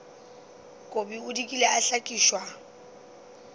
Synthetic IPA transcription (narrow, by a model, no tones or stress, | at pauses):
kʼobiʊdikʼileaɬakʼiːʃwa